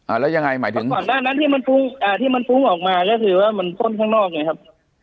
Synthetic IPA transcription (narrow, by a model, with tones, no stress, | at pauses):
ʔaː˨˩lɛ˦˥wja˧ŋa˧jma̰ː˩˦jt̪ɯ˩˦ŋkɔː˨˩nːaː˥˩na˦˥˨nt̪ʰiː˥˩ma˧nfu˦˥ŋʔaː˧˩t̪ʰiː˥˩ma˧nfu˦˥ŋʔɔː˨˩k̚maː˧kɔː˥˩kʰɯː˧waː˥˩ma˧nt̪ʰo˥˩˨nkʰaː˥ŋnɔː˥˩k̚na˧˩kʰa˦˥p̚